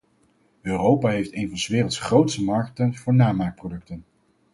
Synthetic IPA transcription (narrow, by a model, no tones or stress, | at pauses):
øːrowpaːɦejftejnvɑnsəʋɪːrəlˠtsχrowtstəmɑɹktənv̥ʊːɹnaːmaːk̚prodɵk̚tən